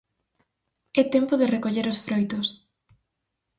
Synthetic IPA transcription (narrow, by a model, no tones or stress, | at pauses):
ɛt̪empoðɪrekoʎeɾosfɾojt̪os